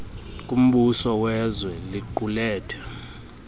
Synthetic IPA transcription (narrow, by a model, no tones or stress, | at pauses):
kʼum̩ɓusɔwɛzwɛliǃulɛːtʰɛ̥